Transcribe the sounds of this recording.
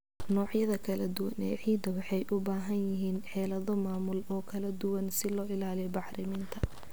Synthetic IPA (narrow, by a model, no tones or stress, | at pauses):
nɔːʕjɐðɐkʰɐlɐd̪ʊwɐnɛːʕiːd̪ɐwɑħɛjʔʊbaːɦɐnjɪɦiːnħɛːlɐðɔmaːmʊlɔːkʰɐlɐd̪ʊwɐnsɪlɔːʔɪlaːlɛbɑħrɪmɪnt̪ʰɐ